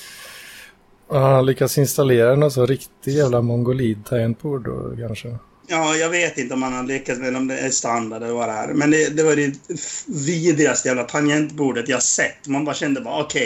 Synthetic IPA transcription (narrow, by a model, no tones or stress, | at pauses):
anlʏkːasɪnst̪aleːɾanɔnsɔnɾɪkt̪ɪjæːvlamɔŋɡʊliːd̪̚t̪ʰaɛnt̪̚buːɖo̰kʰanʂə | jɑːjɑːɡveːt̪ɪnt̪əɔmhanhad̪əlɪkːat̪smɛlɛɔmd̪ɛæ̰st̪and̪aɖɛlɔvaɾəhæ̰ːɾmɛnd̪ɛd̪ɛvɑɾɪ | viːd̪ɾɪast̪jæːvlapʰanjɛnt̪buːɖət̪jɑhasɛt̪ːɔmanbɑːɾaɕɛnd̪əbɑːɾaɔkʰɛ